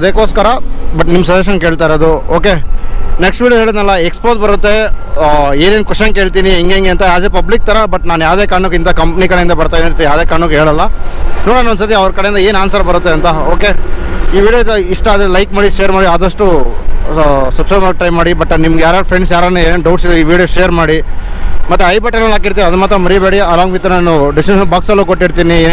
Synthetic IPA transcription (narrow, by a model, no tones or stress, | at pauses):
ɐd̪eːkoːskɐɾɐbɐʈnimːɐs̬ɐd̪eʃ̬ɐnke̞ːɭt̪aːjiɾod̪uoːke̞neksʈʋiːɽjoɦe̞ːɭid̪nɐlːɐekspot̪̚bɐɾut̪ːe̞ | e̞ːne̞ːnkuʂɐnkeːɭt̪iːniiŋɡeŋɡeɐnt̪ɐjaːd̪epɐblik̚t̪ɐɾɐbɐʈnaːnjaːʋd̪eːkaːɾɐɳukːint̪ɐkɐmpnikɐɽeind̪ɐbɐɾt̪ajd̪et̪ːjaːʋd̪eːkaːɾɐɳukɦeːɭɐlːɐnoːɽaːnond̪sɐt̪̬iɐʋɐɾkɐɽeind̪ɐeːnaːnsɐɾɐbɐɾut̪ːe̞ɐnt̪ɐoːke̞iːʋiːɽijod̪ɐiʂʈɐːd̪elɐjk̚maːɽiʃeːɐɾmaːɽiaːd̪ɐʂʈu | sɐbsɐmak̚ʈɐjmːaːɽibɐʈːnimɡjaːɾjaːpʰɾeɳɖs̬jaːɾad̪neeːnenɖɐwʈsid̪uiːʋiːɽijoʃejɐɾmaːɽi | mɐt̪ːeɐjbɐʈːenɐlaːkiɾt̪iːɾɐd̪ɐmaːt̪ɾɐmɐɾibeːɽiɐlaːɡbit̪ːɐnaːnuɖisʈinɐbaːksɐlːukoʈːiɽt̪iːnieː